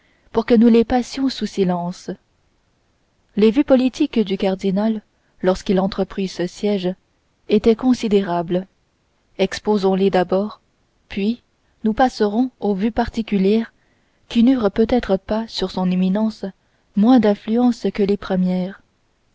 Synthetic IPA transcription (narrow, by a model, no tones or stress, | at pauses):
puʁkənulepasjɔ̃susilɑ̃ːs | levypɔlit̪ʰikd̪ykaʁd̪inalː | ɔʁskʲilɑ̃t̪χəpχisəsjɛʒ | et̪ɛkɔ̃sid̪eʁabl | ɛkspozɔ̃led̪abɔːʁ | pʰɥi | nupasəʁɔ̃ovypaʁt̪ikʲyljɛːʁ | kʲinyːʁpøt̪ɛt̪χəpasyʁsɔ̃neminɑ̃s | mwɛ̃d̪ɛ̃flyɑ̃skəlepχəmjɛːʁ